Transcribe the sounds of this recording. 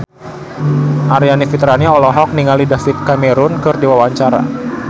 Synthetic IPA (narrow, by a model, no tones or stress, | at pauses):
ʔaɾianifit̪ɾaniɔlɔɦɔk̚niŋalidafit̪̚kameɾʊnkɨrdiwawaɲt͡ʃaɾa̰